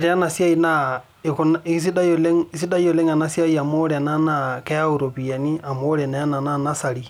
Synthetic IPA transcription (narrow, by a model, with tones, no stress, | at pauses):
ɾe˨a˦na˨sja˦ina | ekonisi˦da˦le˦ŋisi˦da˦i˦o˨le˦ŋa˨na˦sja˦ia˨mo˦ɾɛ˨a˨na˦nakɛ˦a˦uɾo˨βia˨ni˦a˨mo˦ɾɛ˨na˨ja˦na˨nana˦sa˨li